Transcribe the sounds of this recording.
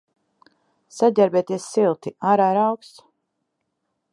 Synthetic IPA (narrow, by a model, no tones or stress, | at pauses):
saɟʲɛɾbɛt̪iɛsːilˠt̪iaɾaɾawks